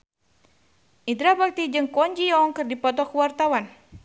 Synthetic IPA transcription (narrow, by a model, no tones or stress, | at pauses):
ʔidɾabak̚t̪id͡ʒɨŋkɔɲd͡ʒiɔŋkɨrdipɔt̪̬ɔkəwart̪awan